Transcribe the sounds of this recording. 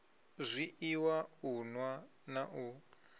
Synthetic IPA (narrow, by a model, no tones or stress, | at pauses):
zʷiʔiwaunwa | naʔu